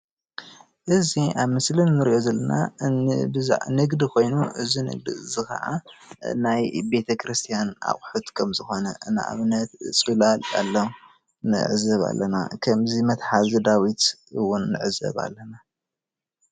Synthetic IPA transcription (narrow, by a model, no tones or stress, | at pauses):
ʔɨziʔaβmɨslinːɨɾiʔo̞zɐlːɐnaɨ̰bɨza̰ʕnɨɡd̪ikʰo̞jnuʔɨzinɨ̰ɡd̪ḭɨzixɐ̰ʔa̰najbe̞t̪ʰɐkʰɾɨst̪ʰijana̰χʼħut̪kʰɐmzɨxo̞nɐʔɨna̰ʔa̰βnɐt̪sʼulala̰lːɐw | nɨ̰ʕzɐβa̰lːɐna̰kʰɐmzimɐt̪ħazɨd̪awit̪ɨwʊnːɨ̰ʕɨzɐ̰βa̰lːɐna